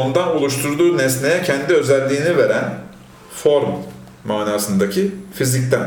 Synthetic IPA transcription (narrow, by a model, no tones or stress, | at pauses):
ond̪anolˠuʃt̪ʰuɾd̪uːnɛsne̞jɛcʰɛnd̪iø̞zælʲːiːnive̞ɾæn | fo̞ɾmː | aːnaːsɯnd̪acʰifizict̪ʰæn